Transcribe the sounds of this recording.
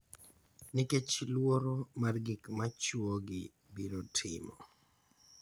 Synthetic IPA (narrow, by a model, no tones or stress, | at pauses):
nɪket͡ʃlwoɾomarɡɪkmat͡ʃwoɡɪ̰ | biɾotʰɪ̰mɔ̰